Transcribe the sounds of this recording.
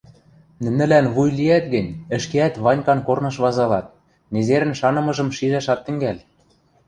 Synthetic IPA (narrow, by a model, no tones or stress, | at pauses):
nɘ̆nɘ̆lænβujliæt̪̚ɡɘ̆nʲɘ̆ʃkeæt̪βɑnʲkɑnkornɤ̆ʃβɑzɑlɑt̪̚ | nezeɾɘ̆nʃɑnɤ̆mɤ̆ʒɤ̆mʃiʒæʃɑt̪ːɘ̆ŋɡælʲ